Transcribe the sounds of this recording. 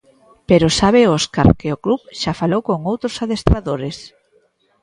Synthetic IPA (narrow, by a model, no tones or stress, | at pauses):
peɾosaβeoska̰ɾkɪoklupʃafalowkoŋowt̪ɾosaðest̪ɾaðoɾes